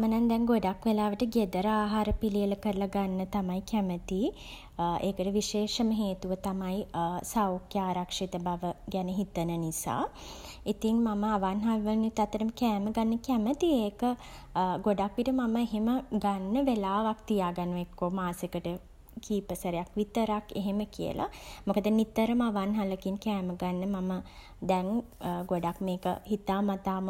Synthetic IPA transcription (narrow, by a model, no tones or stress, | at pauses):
amənand̪ɛŋɡoɖakʋelaːʋəʈəɡed̪əɾəaːɦaːɾəpilijələkəɾəlaɡanːət̪amaikæmət̪i | eːkəʈəʋiʃeːʂəməɦeːt̪uʋət̪amajisaokjaːɾakʂit̪əbaʋəɡæneɦit̪ənənisa̰ːit̪iŋmaməaʋanɦaʋiʋənit̪at̪ːəɾəməkæːməɡanːəkæmət̪ieːkə | ɡoɖakʋiʈəmaməeɦeməɡanːəʋelaːʋak̚t̪ijaːɡanuekːoːmaːsekəʈə | kiːpəsəɾejakʋit̪əɾakeɦeməkijə̰lʔa̰mokəd̪ənit̪əɾəmaʋanɦaləkinkɛːməɡanːəmamə | d̪ɛŋɡoɖakmeːkə̰hit̪aːmat̪aːm